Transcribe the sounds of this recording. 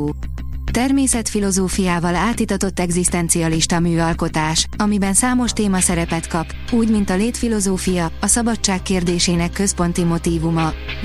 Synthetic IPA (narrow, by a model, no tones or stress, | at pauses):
t̪ɛrmeːsɛt̪filo̞zoːfijaːvɒlaːt̪it̪ɒt̪o̞t̪ːɛɡzist̪ɛnt̪sijɒliʃt̪ɒmyːɒlko̞t̪aːʃɒmibɛnsaːmo̞ʃt̪eːmɒsɛɾɛpɛt̪kɒp | uːɟmint̪ɒleːt̪filo̞zoːfijɒːsɒbɒt͡ʃt͡ʃːaːkːeːrd̪eːʃeːnɛkːø̞spo̞n̪t̪imo̞t̪iːvumɒ